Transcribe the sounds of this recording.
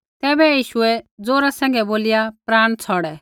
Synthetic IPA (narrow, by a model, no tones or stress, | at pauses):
t̪ɛːbɛjiːʃʊɛd͡zoːɾasɛ̃ːŋɡɛboːlɪjapɾaːɽ̃t͡sʰɔɽɛ